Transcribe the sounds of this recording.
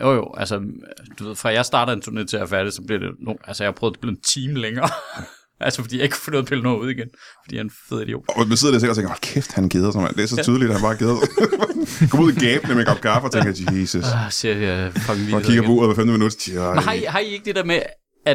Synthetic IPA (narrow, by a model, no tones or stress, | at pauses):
jo̰jo̰ʔælsəd̥uʋe̝ð̞̰ˠfʁɑ̈jɑ̈ɪsd̥ɑ̈ːɾ̥ɐent͡sʰuɐnel̰ˠt͡sʰe̝æfæɐɾ̥isɒ̽b̥liɐdḛnoælsəjɑhpʰʁœːð̩̥ˠb̥lit͡sʰiːmleŋɐː | ʔælsəfɒd̥ḭːjɑeɡ̥kʰu̥fo̽no̰ðˠpʰe̝lnɔːuð̞̰ˠiɡ̥enfd̥ḭːhænfeð̰ˠid̥ijo̰̥ːʋiseðˠdiɐsʰelɒt͡sʰeŋɡɐʋælkʰefd̥hænɡ̥eðˠɐsɔnmæ̰nd̥eæɐsɒyð̞ˠlid̥æhænb̥ɑ̈ːɡ̥eðˠɐ | ɡ̥ʰɒmuð̰ˠiɡ̥ɛːb̥n̩emenɡ̥ɑb̥̚kʰɑːfɒ̽t͡sʰeŋɡɐiːsusseɐfɑɡʋikkiɡɐpɔo̰ːð̩ˠʋæfemd̥əminud̥ɐmhɑ̈iɦɑ̈ie̝ɡ̥̚d̥e̝d̥eɐme | æ̥